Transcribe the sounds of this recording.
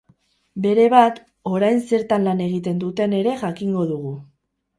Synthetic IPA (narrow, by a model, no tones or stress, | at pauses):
be̞ɾe̞βat̪ | o̞ɾajnse̞ɾt̪anlane̞ɣ̞it̪e̞nd̪ut̪e̞ne̞ɾe̞ʝakiŋɡo̞ðuɣ̞u